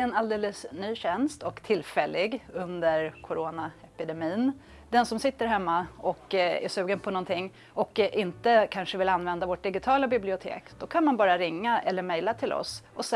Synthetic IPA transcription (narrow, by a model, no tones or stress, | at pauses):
ɛnald̪eːləsnyːɕɛnst̪ɔkt̪ʰɪlfɛlːɪɡɵnd̪əɾkʰʊɾoːnaɛpɪd̪ɛmiːn | d̪ɛnsɔmsɪt̪ːəɾɦɛmːaɔkæ̰ʂʉ̟ːɡənpʰɔnɔnt̪ʰɪŋː | ɔkʔɪnt̪əkʰanʂəvɪlanvɛnd̪avoːʈ̚ɖ̪ɪɡɪt̪ʰɑːlabɪblɪʊt̪ʰḛːkd̪̥ɔkʰanmanbɑːɾaɾɪŋːaʔɛlːəɾmɛjlat̪ʰɪlʔɔ̰sʔɔs